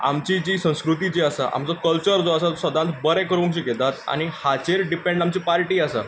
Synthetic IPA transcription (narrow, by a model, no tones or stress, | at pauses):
a̰mt͡ɕid͡ʑiːsə̃w̃skɾut̪id͡ʑiasaʔa̰mt͡sɔkəlt͡ɕəɾd͡zoasasəd̪ãnt̪bəɾɛ̃kəɾũŋkɕiːket̪at̪a̰ñihat͡ɕeɾɖipẽɳɖamt͡ɕiːpaɾʈiːasa̰